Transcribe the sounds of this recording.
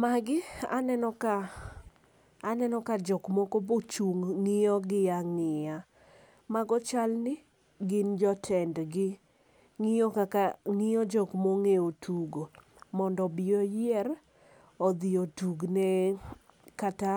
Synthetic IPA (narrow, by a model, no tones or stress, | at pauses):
maɡɪanɛnɔka | nɛnɔkad͡ʒɔkmɔkobot͡ʃuŋːɪɔɡɪjaŋɪja | maɡɔt͡ʃalnɪ | ɡɪnd͡ʒɔtʰɛndɡɪ | ŋɪjɔkakaŋɪjɔd͡ʒɔkmoŋeotʰuɡo | mɔndɔbɪjɔjɪɛr | ɔd̪ɪotuɡnɛ | kata